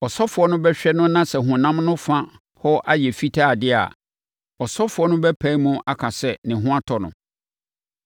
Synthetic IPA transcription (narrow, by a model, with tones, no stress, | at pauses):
ɔ˨sɔ˦fʊ˨ɔ˦nʊ̃˦bɛ˦ɕᶣɛ˦nʊ̃˦nã˦sɛ˨ɦʊ̃˨nã˦mnʊ̃˦fã˦ | hɔ˦ʔa˦jɛ˨fi˦tʰa˦˨dɪ˦a̰˨ | ɔ˨sɔ˦fʊ˨ɔ˦nʊ̃˦bɛ˦pʰã˦i˦mũ˦ʔa˦kʰã˨sɛ˦˨nɪ̃˨ɦʊ̃˦a˦tʰɔ˨nʊ̰̃˨